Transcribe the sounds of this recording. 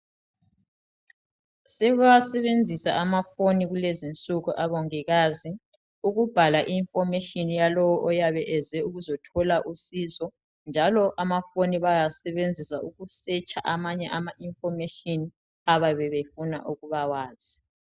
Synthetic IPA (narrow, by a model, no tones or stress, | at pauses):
sɛɣuwasɛβend͡zʱisaʔamafoniɣulezint͡sʼuɣuʔaβoŋiɣazi | uɣub̥ʱalaʔiːɱfɔmɛʃʼinjalɔwɔʔɔjaβɛʔɛzɛuɣuzɔtʰɔlaʔusizɔ | nd͡ʒʱalɔʔamafoniβajasɛβend͡zʱisauɣusɛt͡ʃʰʼaʔamaɲɛʔamaʔiɱfɔmɛʃʼini | aβaβɛβefuna̰ʔuɣuβawaːz̥i